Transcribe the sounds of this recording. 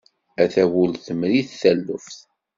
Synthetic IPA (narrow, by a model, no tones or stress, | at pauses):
æθæwulθəmɾiθθælːʊfθ